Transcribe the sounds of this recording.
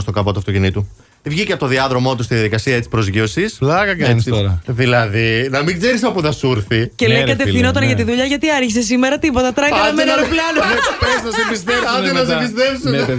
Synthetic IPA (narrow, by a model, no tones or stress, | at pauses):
st̪okɐvot̪uɐft̪ocinit̪u | t̪ivʝiceɐpot̪oðiɐðɾo̞mo̞t̪ust̪iðjɐðikɐsiɐet̪t͡si̥pɾozʝio̞sislɐɣɐkɐnsɾɐðilɐðinɐmiɡzeɾisɐpuθɐsuɾθicelejkɐt̪efθino̞t̪̬ɐnʝɐt̪iðuʎɐʝɐt̪iɐɾçis̬e̞s̬imeɾɐt̪ipo̞t̪ɐt̪ɾɐkɐnɐmeneɾplɐnopɾesnɐsebist̪ep̪inɐs̬ibist̪epsun